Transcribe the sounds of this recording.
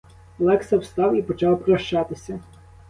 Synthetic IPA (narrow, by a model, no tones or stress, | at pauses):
lˠɛksɐwst̪ɑwipɔt͡ʃɑwpɾɐʃt͡ʃɑt̪ɪsʲɐ